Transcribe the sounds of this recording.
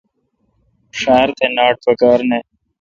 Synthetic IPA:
ʂaːɾt̪ʰenaːʈ̚pɐkaːɾne

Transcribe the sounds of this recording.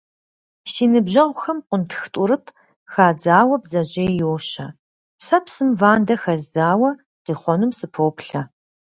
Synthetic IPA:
siːnɨbʑɐʁʷʊxɐmqʷʊntʰxtʼʊɾɨtʰ | xaːd͡zaːwɐbzɐʑejjoːɕɐ | sɐpsɨmvaːndɐxɐzdaːwɐ | qiːχʷɔnumsɨpʰowpɬɐ

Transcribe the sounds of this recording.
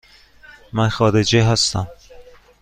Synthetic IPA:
mænxɒːɾed͡ʒeɦæst̪æm

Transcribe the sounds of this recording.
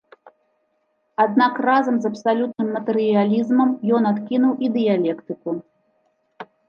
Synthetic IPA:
ad̪̚nakrazɐmzɐpsalʲut̪̚nɨmːɐt̪ɛɾɨjalʲizmɐmjɔnat̪kʲinuwʔid̪ɨjalʲɛkt̪ɨku

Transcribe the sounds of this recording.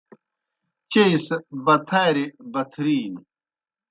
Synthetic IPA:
t͡ɕeisbɐt̪ʰaːɾibɐt̪ʰɾiːn

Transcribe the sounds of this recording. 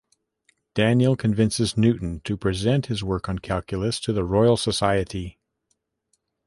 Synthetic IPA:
d̥æ̃njl̩ˠkʰɨ̃ɱvɪ̃nsɨznʉʔn̩tʰɨpʰɹ̥izɛ̃nt̚hɨzwɜ˞kn̩kʰælˠkʰjl̩ˠəstʰɨðəɹɔɪl̩ˠsəsaɪɨɾi

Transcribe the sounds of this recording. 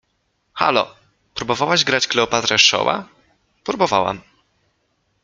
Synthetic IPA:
xa̰lɔ̰ | pɾubɔvawaʑɡɾad͡ʑklɛɔpat̪ɾɛʂɔ̰wa̰ | pɾubɔvawa̰m

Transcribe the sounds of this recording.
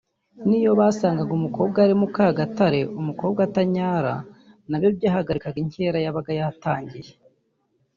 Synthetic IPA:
nijo̞βaːsaːŋɡaɡumuko̞ːb̚ɡaɾimukaːɡataɾe̞ʔumuko̞ːbɡataɲaːɾa̰ | naβjobjaːhaɡaɾikaɡiɲhe̞ːɾajaβaɡajataːɲɟije

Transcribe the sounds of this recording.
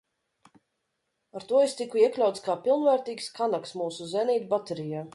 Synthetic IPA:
aɾt̪uɔest̪ikuiɛklʲawt̪skaːpilˠnvæːɾt̪iːkskanaksmuːsuzɛniːt̪bat̪eɾijaː

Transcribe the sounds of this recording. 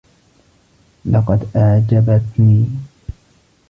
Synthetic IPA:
lɑqɑd̪ʔaʕd͡ʒabat̪niː

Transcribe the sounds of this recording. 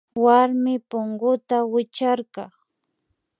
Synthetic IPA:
waɾmɪpoŋɢʊt̪awɪt͡ʃaɾkɑ

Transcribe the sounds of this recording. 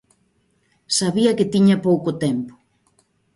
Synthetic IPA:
saβiɐkɪt̪iɲɐpowkʊt̪ɛmpʊ̥

